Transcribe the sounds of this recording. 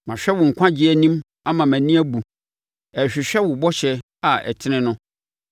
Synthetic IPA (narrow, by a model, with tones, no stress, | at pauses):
mã˨ɕᶣɛ˦wʊ˨ŋ̩˨kʷʰã˦d͡ʑɪ˦æ˨nĩ˦m | a˦mã˨mæ̃˨nĩ˦æ˦bu˨ | ɛ˨ɕᶣɪ˨ɕᶣɛ˦wʊ˨bɔ˦ɕɛ˨ | a˨ɛ̰˨tʰɪ˦nɪ̃˦nʊ̃˦